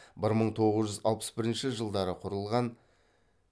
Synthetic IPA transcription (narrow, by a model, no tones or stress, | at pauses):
bɪɾməɴt̪ʰo̞ʁəzʒʏzɑ̰lˠpə̥sbɪɾɪnʃɪʒəlˠd̪ɑɾəqʰʊɾəlˠʁɑn